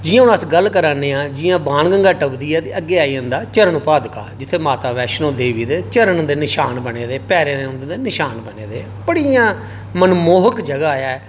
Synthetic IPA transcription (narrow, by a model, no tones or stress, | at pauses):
d͡ʒɪːãːʊ̃ñəsɡəlkəɾaːneːãːd͡ʒɪːjãːbãːnɡəŋɡaːʈəbd̪iːaːt̪eːʔəɡːeːaːiə̃nd̪aːt͡ʃəɾəɳʊpaːd̪ka̰ːd͡ʒɪt̪ʰːeːmaːt̪aːʋɛːʃnõːd̪eːʋiːd̪eːt͡ʃəɾənd̪eːnɪʃaːnbəneːd̪eːpɛːɾeneʊ̃nd̪ed̪eːnɪʃaːnbənḛːd̪ḛː | bəɽijãː | mənmoːɦəkd͡ʒəɡaːaːjaːɛː